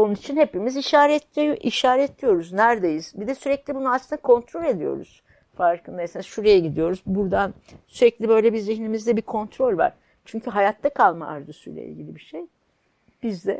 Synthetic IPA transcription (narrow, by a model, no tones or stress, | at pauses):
o̞nunit͡ʃʰinhe̞pimiziʃaːɾɛt̪ʲiʔiʃaːɾɛːt̪ʰlʲijo̞ɾuznæɾd̪ejiz̥bid̪ɛsyɾɛclʲibununasʰɯnd̪akʰo̞nt̪ɾo̞lʲe̞d̪ijo̞̰ɾṵz̥ | faɾkʰɯnd̪aesenaʃuɾejɛɟid̪ijo̞ɾuzbuɾd̪an | syɾɛclʲibø̞jlʲɛbizɾihinʲimizd̪ɛbikʰo̞nt̪ʰɾo̞lʲva̰ɾ̥ | t͡ʃʰyɲcʰyɦajat̪ʰːakʰalˠmaa̰ɾd̪usujlʲɛ̰ḭlʲɟilʲibiʃej | b̥izd̪ɛ̰